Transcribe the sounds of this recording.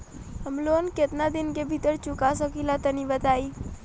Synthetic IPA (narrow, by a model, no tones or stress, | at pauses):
ɦəmlonket̪nad̪ɪnkebʱit̪əɾt͡ʃʊkasəkilat̪ənibət̪aːi